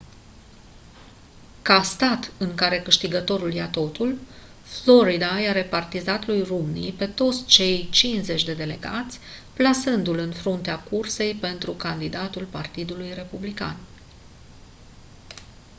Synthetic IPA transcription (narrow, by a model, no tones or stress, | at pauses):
kast̪at̪ɨŋkaɾe̞kɨʃt̪iɡət̪o̞ɾuljat̪o̞t̪ul | flo̞ɾid̪ajaɾe̞part̪izat̪lujrumnipe̞t̪o̞t̪sʲt͡ʃe̞jt͡ʃinze̞t͡ʃʲd̪e̞d̪e̞le̞̰ɡat̪sʲplasɨnd̪ulɨnfɾunt̪eakurse̞jpe̞nt̪ɾukand̪id̪at̪ulpart̪id̪ulujre̞publika̰n